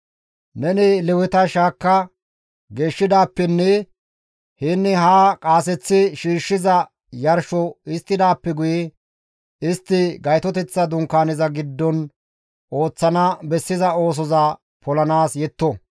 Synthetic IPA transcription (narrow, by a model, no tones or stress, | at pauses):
nɛnɪlɛwɪt̪ɐʃaːkːɐ | ɡe̞ːʃːɪd̪aːpːɛnːɛ | hɪnːɪɦaːkʼaːs̬ɛt͡sːɪʃiːʃːɪzɐ | jɐɾʃɔɪst̪ːɪd̪aːpːɛɡʊjɛ | ɪst̪ːɪɡɐjt̪ɔt̪ɛt͡sːɐd̪ʊŋkːaːnɪzɐɡɪd̪ːɔn | o̞ːt͡sːɐnɐbɛsːɪzɐo̞ːs̬ɔza | pʰɔlɐnaːsjɛt̪ːɔ